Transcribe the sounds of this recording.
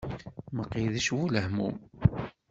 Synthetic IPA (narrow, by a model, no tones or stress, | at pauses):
məqːiðæʃwuləhmṵm